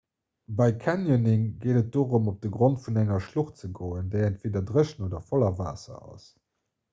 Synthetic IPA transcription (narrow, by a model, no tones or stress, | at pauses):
bɑɪkʰænjonɪŋɡeːdət̚d̥oːʁumop̚d̥əɡʁontfunæŋɐʃluχtt͡səɡoːəndeɪəntveːdɐdʁəʃnoːdɐfɔlɐva̰ːsɐ̰ɑ̰s